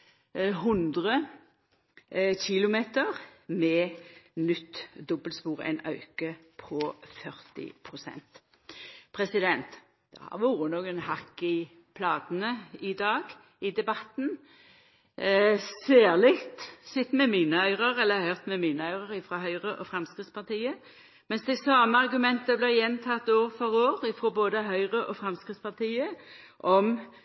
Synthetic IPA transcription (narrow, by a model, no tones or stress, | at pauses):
ɦʉnd̪ʁə | çɪlʊmeːt̪əʁmɛːnʏt̪ːd̪ɔbəlspuːʁæ̰ɪnɑʉkəpʰɔfœʁt̪ɪ̰pʰɾʊsɛ̰nt̪ | pʰʁɛsɪd̪ɛnt̪ | d̪̥ɛ̰hɑ̰ʁʋuːɾənoːɡənhɑkːɪ | pʰlɑːd̪n̩əɪd̪ɑːɡ | ɪd̪ɛbɑt̪n | seːʁlɪkt̪sɪt̪ːmɛmiːnəœʏʁəʁɛlːəhœʁt̪mɛmiːnəœʏʁəʁɪfɾoːɦœʏʁəʔɔfɾɑmskʁɪt̪spɑt̪iːə | mɛnsd̪ɛsɑːməɑʁɡʉmɛnt̪əblɪʁjɛnt̪ʰɑt̪oːʁfɔʁoːʁɪfɾoːboːd̪əɦœʏʁəʔɔfɾɑmskʁɪt̪spɑʁt̪ʰiːəʔɔm